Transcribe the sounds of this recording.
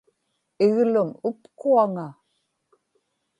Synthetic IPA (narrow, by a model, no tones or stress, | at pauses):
ɪɣlʊmʊpkuaŋa